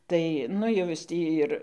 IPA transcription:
ˈtɐɪ ˈnʊ jɛʊ ˈjɪs ˈtʲiː ɪr

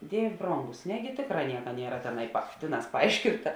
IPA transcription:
ˈdʲiɛʋʲeː ˈbroːŋɡʊs ˈnʲæːɡʲɪ ˈtʲeːkˌrɑː ˈnʲiɛkɐ ˈnʲiɛrɐ ˈtʲæːˌnɐɪ pɐ ˈtʲeːˌnɑːs pɐˈɐɪʃʲkʲɪntɐ

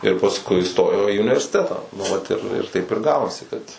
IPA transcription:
ɪr pɐsˈkʊɪ ɪˈstoːjoː iː ʊnʲɪʋʲɛrʲsʲɪˈtʲæːtɑː nʊ ˈʋɐt ɪr ɪr ˈtɐɪp ɪr ˈɡɑːʋoːsʲɪ ˈkɐt

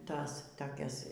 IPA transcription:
ˈtɐs toːˈkʲɛs

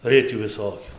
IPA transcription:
ˈrʲɪtʲuː ʋʲɪˈsoːkʲʊ

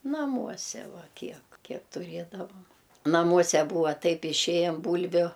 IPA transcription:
nɐˈmuɔsʲɛ ˈʋɐ ˈkʲiɛk ˈkʲiɛk tʊˈrʲeːdɐʋɐm nɐˈmuɔsʲɛ ˈbuːʋɐ ˈtɐɪp ɪˈʃʲeːjɛm ˈbuːlʲʋʲʊ

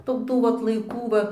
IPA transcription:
ˈtʊ ˈtuː ʋɐt lˠɐɪˈkuː ˈʋɐ

